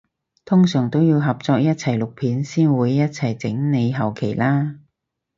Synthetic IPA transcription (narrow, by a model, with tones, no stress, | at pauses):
t̪ʰʊ˥ŋsœː˨˩ŋt̪o˥wjiː˧wɦɐ˨p̚t͡sɔː˧k̚jɐ˥t̚t͡sʰɐ˨˩jlʊ˨k̚pʰiː˨˥nsiː˥nwuː˨˧jːɐ˥t̚t͡sʰɐ˨˩jt͡sɪ˨˥ŋne˨˧jɦɐ˨˩wkʰe˨˩jlaː˥